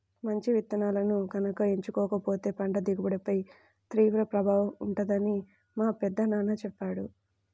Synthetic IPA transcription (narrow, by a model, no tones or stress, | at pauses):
mɐɲt͡ʃiʋit̪ːɐnaːlɐnuɡɐnɐkɐeɲt͡ʃukɔːkɐpo̞ːt̪e̞ːpɐɳɖɐd̪iɡɐbɐɽɐpɐj | t̪ɾiːʋɾɐpɾɐbʱaːʋɐmuɳʈɐd̪ɐni | maːpɛd̪ːɐnaːnɐt͡ʃɛpːaːɽu